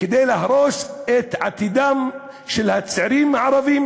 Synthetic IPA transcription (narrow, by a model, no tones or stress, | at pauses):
ked̪ejlahɾoʃet̪ʕa̰t̪id̪am | ʃelhat͡sʕiɾimaʕaɾavim